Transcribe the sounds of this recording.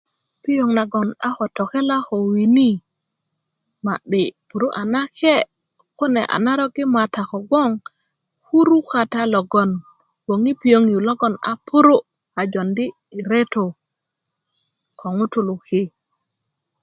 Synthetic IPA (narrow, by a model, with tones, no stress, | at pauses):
pi˦jo˨ŋna˨ɡo˨na˦xo˨to˨ke˦la˦xo˨wi˨ni˦ | ma˨ɗi˨pu˨ɾu˦ʔa˨na˦ke˦ | ko˦nḛ˨ʔa̰˨na˦ɾo˦ɡi˦ma˨ta˨ko˨ɡo˦ŋ | ku˦ɾu˦ka˨ta˦lo˨ɡo˨n | wo˨ŋi˦pi˨jo˦ŋju˨lo˦ɡo˦na̰˨pu˦ɾu˦ | a˨d͡ʒo˨ndi˦˨ | ɾe˦to˨ | ko˨ŋu˦tu˨lu˨ki˦